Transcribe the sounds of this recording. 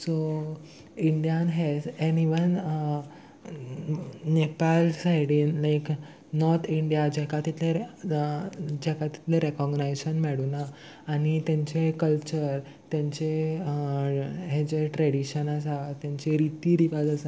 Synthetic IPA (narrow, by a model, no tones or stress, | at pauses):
so | iɳɖijanɦɛd͡zeniʋən | nepalsajɽinlajk | nɔɾt̪ʰiɳɖijad͡ʑɛkat̪it̪le | d͡ʑɛkat̪i̥t̪leɾekɔɡnajɕənmɛɽunaː | ɽ̃it̪jãɲt͡ɕekəlt͡ɕəɾ | t̪jãɲt͡ɕe | ɦed͡ʑeʈɾɛɽiɕənas̬at̪jãɲt͡ɕeɾit̪iːɾiʋad͡zasa